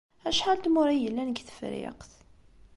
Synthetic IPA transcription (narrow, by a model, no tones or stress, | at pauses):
æʃħalt̪mʊɾijəlːænəɡθə̥fɾɪ̰qθ